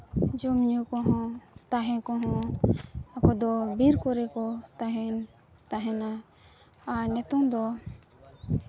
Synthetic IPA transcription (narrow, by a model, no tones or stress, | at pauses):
d͡ʒɔmɲukɔɦɔ̃t̪aɦɛ̃kɔɦɔ̃ | akɔd̪ɔbiɾkɔɾɛkɔt̪aɦɛn | t̪aɦɛ̃na | anɛt̪ɔmd̪ɔ